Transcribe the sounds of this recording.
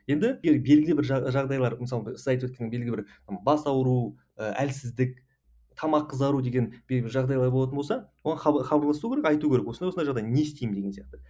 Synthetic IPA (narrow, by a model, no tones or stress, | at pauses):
je̞nd̪ɪeɡʲeɾbe̞lɡʲɪlɪbɪɾʒɑʒɑʁd̪ɑjlˠɑɾmɪs̬ɑlˠsɑjt̪wɵt̪̚kʲenebe̞lɡʲlɪbɪɾ | mbɑsɑwəɾu | əæ̰lsɪzd̪ɪk̚ | t̪ʰɑmɑqːəzd̪ɑɾud̪eɡʲe̞nbelɡbɪɾʒɑʁd̪ɑjlˠɑɾbolˠɑt̪əbolsɑwoʁɑnχɑχɑbɑɾlˠɑsukʰʲeɾekɑjt̪ukʲeɾekwonɑwsnɑjʒɑʁd̪ɑjnest̪ejmd̪eɡʲeijɑq̚t̪ə